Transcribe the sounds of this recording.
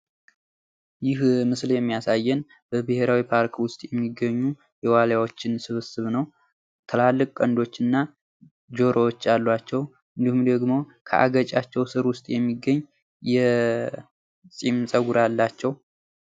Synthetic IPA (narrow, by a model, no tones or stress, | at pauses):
jɪhmɨsljɛmːijasajːɛn | b̥əbɨhe̞ɾawipʰaɾkwʊst̪ʼjɛmːiɡːəɲːu | jɛwaljawot͡ʃːɪnsɨβɨsɨβnəw | t̪ʰəlalːɨkʼkʼənd̪o̞t͡ʃːɨnːa | d͡ʒo̞ɾʔoot͡ʃːalːat͡ʃːɛw | ʔɨnd̪ihumd̪əɡmo̞kʰə̰ʔa̰ɡət͡ʃʼat͡ʃːɛwsɨɾwʊst̪ʼjɛmːiɡːəɲː | jɛ | sʼimsʼəɡuɾalːat͡ʃːɛw